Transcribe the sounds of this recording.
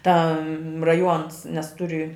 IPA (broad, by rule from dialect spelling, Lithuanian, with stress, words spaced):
ˈtɐ rɐˈjuɔns nʲɛs ˈtʊrʲɪ